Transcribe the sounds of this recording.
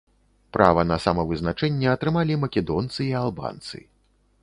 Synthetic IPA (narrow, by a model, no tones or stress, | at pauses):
pɾa̰vɐnɐsamɐvɨznat͡ʂɛnʲːɛɐt̪ɾɨmalʲimɐkʲɛd̪ɔnt̪sɨialˠba̰nt̪sɨ̰